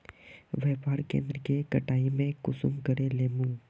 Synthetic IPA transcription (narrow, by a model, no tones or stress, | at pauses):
ʋɛːpaːɾkḛ̃ːnd̪ɾəkekəʈaːimẽkʊsʊ̰mɡəɽeleːmũː